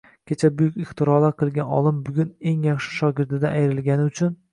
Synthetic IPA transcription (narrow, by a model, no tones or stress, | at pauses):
kʲʰe̞t͡ʃʰabʊjʊkʲɪχt̪ɪɾɒlˠaɾqʰɨlˠɡʲanɒ̰lˠɪmbʊɡʲʊne̞ŋjaχʃɪ̥ʃɒɡʲɪɾd̪ɪd̪aʔajɾɪlɡʲanɪʊt͡ʃʰʊn